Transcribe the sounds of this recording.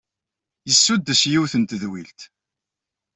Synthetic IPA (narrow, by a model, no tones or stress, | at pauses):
jəsːud̪ːəsjiwθənt̪ðwilt̪